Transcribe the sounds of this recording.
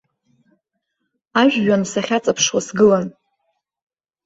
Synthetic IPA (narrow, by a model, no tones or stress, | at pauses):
aʒᶣːansaχʲat͡sʼapʰʂwasɡɨlan